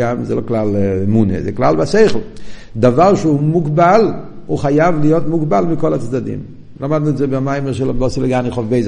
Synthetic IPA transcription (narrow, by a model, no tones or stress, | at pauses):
amzɛloklalmunḛzɛ̰klalbasejχl̩ | d̪avaʁʃəumuɡbalhuχajavlijot̪muɡbalmikolat͡sd̪ad̪ḭm | lamad̪̚nuɛtzɛbeamajmɛʁʃɛlabɔsiləɡaniχofbejz